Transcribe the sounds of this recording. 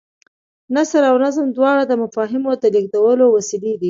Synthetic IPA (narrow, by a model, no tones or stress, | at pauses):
nasɾawnazəmd̪wɑɽad̪əmafɑɦɪmod̪əliɡ̚d̪awəlowasilid̪i